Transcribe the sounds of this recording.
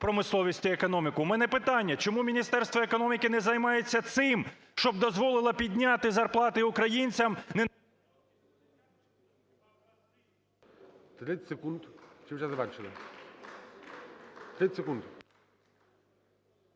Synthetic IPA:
pɾɔmɪslˠɔʋʲisʲtʲiekɔnɔmʲɪkʊmɛnɛpɪt̪ɑnʲːɐt͡ʃɔmumʲinʲist̪ɛrst̪ʋɔekɔnɔmʲikɪnɛzɐjmɑjet͡sʲːɐt̪sɪm | ʃt͡ʃɔbd̪ɔzʋɔlˠɪlˠɐpʲid̪ʲnʲat̪ɪzɐrplˠɑt̪ɪʊkɾɐjinʲt͡sʲɐmnɛ | t̪ɾɪsʲekund̪t͡ʃɪmʒazɐbɛɾt͡ʃɪlˠɪ̰ | t̪ɾɪsʲekund̪

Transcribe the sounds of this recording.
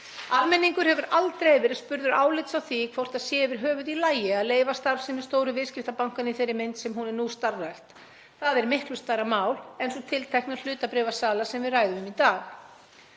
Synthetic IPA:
aðmɛnːiŋkʏɾ̥hɛvʏɾalt̪ɾejɛvɪɾspʏɾðʏɾaːwlɪt̪sawθikʰvowr̥t̪aðsjɛːvɪɾ̥ɦœːvʏðilaːjɪaðleːjvast̪aɾsɛmɪ̥st̪oːwɾʏvɪðscɪft̪apawŋ̥kaniθejɾːɪɾmɪnt̪sɛmɦunɛɾnust̪arːajht̪ | θaðɛɾmɪhklʏst̪aːjɾamaːwlejnsɔt̪ʰɪlt̪ʰajhknḁl̥ʏːt̪apɾɪvasaːlasɛmvɪðraːjðʏʏmit̪aːx

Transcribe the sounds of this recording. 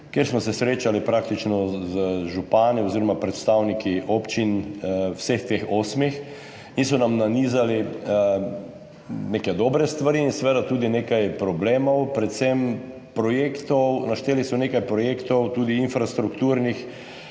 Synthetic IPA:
kjeɾsmɔsɛsɾeːt͡ʃalipɾak̚t̪it͡ʃnɔzəʒupaːniɔziɾɔmapɾɛt̪st̪awnikiʔoːpt͡ʃinwsext̪exosmix | ins̬ɔnamnaniːzali | nekɛd̪ɔbɾɛst̪ʋaɾiːnsɛʋeːd̪at̪uːd̪ineːkajpɾɔbleːmɔwpɾɛt̪sɛm | pɾɔjeːkt̪ɔwnaʃt̪eːlisɔneːkajpɾɔjeːkt̪ɔwt̪uːd̪iinfɾast̪ɾukt̪uːɾnix

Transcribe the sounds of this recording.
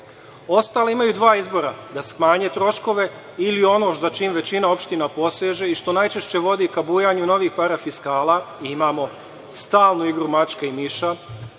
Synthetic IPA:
o̞st̪aːleimajud̪ʋaːizbo̞ɾad̪asxmaːɲe̞t̪ɾo̞ʃko̞ʋe̞ | ilio̞no̞zat͡ʃiːmʋe̞t͡ɕinao̞pʃt̪inapo̞seʒe̞iʃt̪o̞najt͡ʃe̞ʃt͡ɕe̞ʋo̞d̪ikabuːjaɲuno̞ʋiːxpaɾafiskaːlˠaiimaːmo̞ | st̪aːlˠnoiɡɾumat͡ʃkeimiʃa

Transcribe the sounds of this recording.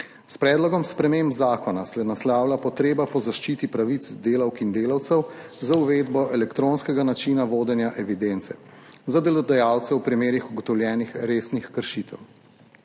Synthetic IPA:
spɾɛːd̪lɔɡɔmspɾɛmembzaːkɔnasɛnaslaːwlapɔt̪ɾeːbapɔzaʃt͡ʃit̪ipɾaʋit̪d̪eːlawkind̪eːlawt̪sɛwzauʋeːd̪bɔʔɛlɛkt̪ɾoːnskɛɡanat͡ʃinaʋoːd̪ɛnjaʔɛʋid̪ent̪sɛ̰zad̪ɛlɔd̪ajawt̪sɛwpɾimeːɾixuɡɔt̪ɔwljɛːnixɾeːsnixkəɾʃit̪ɛ̰w

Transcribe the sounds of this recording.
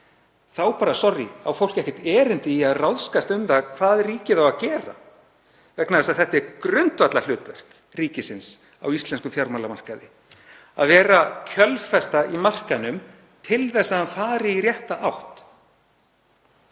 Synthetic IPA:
θawpaːɾasɔrjɪ̰a̰wfowl̥kcɛhcɛht̪ɛːɾɪnt̪ɪiaðrawðskast̪ʏmt̪aɣkʰv̥aːðriːcɪθawaðcɛːɾa̰ | vɛknaðɛsaðθɛht̪ɛɾkɾʏnt̪vat̪lal̥ʏːt̪vœr̥k | riːcɪsɪns | a̰wist̪lɛnskʏmfjawɾmawlamar̥kaðɪ | a̰ðvɛːɾacʰœlfɛst̪aʔimar̥kanʏm | t̪ʰɪlθɛsːaðanfaːɾɪirjɛht̪aʔawht̪

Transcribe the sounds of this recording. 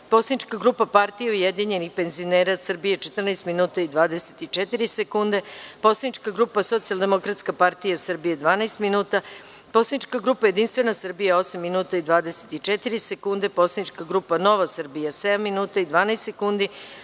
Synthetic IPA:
po̞sanit͡ʃkaɡɾupapaɾt̪ijeujed̪iɲe̞nixpe̞nzio̞neːɾasr̩bije̞t͡ʃet̪r̩naest̪minuːt̪aid̪ʋaːd̪e̞se̥t̪it͡ʃet̪iɾisekund̪e̞po̞slad̪it͡ʃkaɡɾuːpaso̞t̪sialˠd̪e̞mo̞kɾat̪skapaɾt̪ijasr̩bijed̪ʋaːnajst̪minuːt̪a | posad̪it͡ʃkaɡɾupaje̞d̪inst̪ʋe̞nasr̩bijaosamːinuːt̪aid̪ʋaːd̪eset̪it͡ʃet̪iɾisekund̪e̞po̞sad̪it͡ʃkaɡɾuːpano̞ʋasr̩bijased̪amːinuːt̪aid̪ʋaːnaest̪sekund̪i

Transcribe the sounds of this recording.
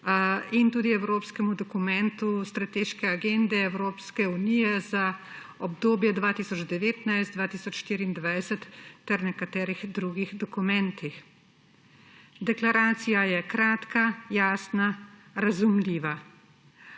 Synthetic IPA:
int̪uːd̪iɛwɾoːpskɛmud̪ɔkumɛnt̪ust̪ɾat̪eːʃkɛaɡend̪ɛːwɾoːpskɛunijɛza | ɔbd̪oːbjɛd̪ʋaːt̪isɔd͡ʒd̪ɛʋeːt̪najst̪d̪ʋaːt̪iːsɔt͡ʃʃt̪iːɾiːnd̪ʋajsɛt̪ːɛɾnɛkat̪ɛːɾiɣd̪ɾuːɡiɣd̪ɔkumɛnt̪ix | d̪ɛklaɾaːt̪sijajɛkɾaːt̪kajaːsnaɾazumliːʋa

